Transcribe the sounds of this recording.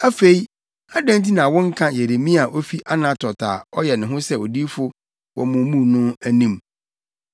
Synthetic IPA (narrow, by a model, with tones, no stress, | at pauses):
æ˦fe˨i˦ | a˦dã˦nti˦nã˨wɔ̃˦ŋ̩˦kʰã˦je˨ɾe˨mĩ˦a˨ʔo˦fi˦ʔa˦nã˦tʰɔ˨tʰa̰ː˨ɔ˦jɛ˨nɪ̃˨ɦʊ̃˦sɛ˦o˨di˦fʊ˦ | wɔ̰˨mʊ̃˨˦mũ˦nʊ̃˦æ˦nĩ˦m